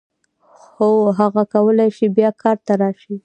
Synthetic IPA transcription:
xoɦaɣakawəlajʃibjɑkʰɑɾt̪aɾɑʃi

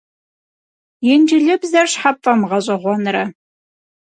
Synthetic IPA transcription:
jɛnd͡ʒɪɮɨbzɐrɕħapfʼɐmʁɐɕʼɐʁʷɔnɾɐ

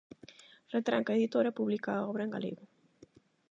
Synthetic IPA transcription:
ret̪ɾa̰ŋkaeðit̪oɾɐpuβlikaɔβɾɐeŋɡa̰lḛɣu

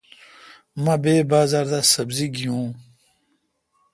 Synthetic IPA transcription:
mɐ̃beːbaːzaːɾd̪asɐbziɡijũː

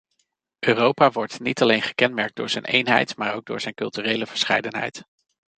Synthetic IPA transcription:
ʔøːrowpaːʋɔɹtnitɑlejnχə̥kɛnmɛɹk̚dʊːɹz̥ɛjnʔḛjnɦɛ̰jtmaːɹowɡ̚dʊ̰ːɹz̥ɛjnkɵlˠtyːrejləvəɹsχɛ̰jdənɦɛ̰jt

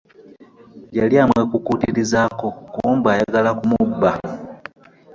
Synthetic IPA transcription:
jeljaːmwe̞kukuːtiɾizaːko̞kumbaːjaɡalakumubːa

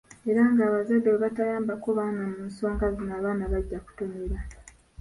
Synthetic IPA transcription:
e̞ɾaŋɡaːβazadːeβeβatajaːmbakoβaːnamuːnso̞ːŋɡazinaːβaːnaβaɟːaku̥tomeɾa

